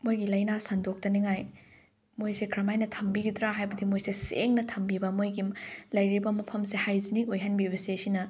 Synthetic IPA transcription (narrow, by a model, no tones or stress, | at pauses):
mojɡilɐjnasɐndok̚tɐniŋaj | mojsekʰɾɐmajnɐtʰɐmbiɡidɾaɦajbɐdimojsesḛŋnɐtʰɐmbibɐmojɡilɐjɾibɐmɐpʰɐmsehajziniŋojɦanbibɐsesinɐ